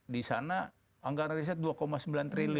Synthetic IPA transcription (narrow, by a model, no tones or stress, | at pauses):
disana | aŋɡarris̬ɛt̪̚duakɔmasəmbilant̪ɾil